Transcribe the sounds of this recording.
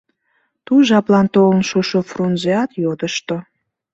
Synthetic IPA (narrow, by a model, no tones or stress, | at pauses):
t̪uʒɑplɑnt̪olənʃoʃofronzeɑt̪jod̪əʃt̪o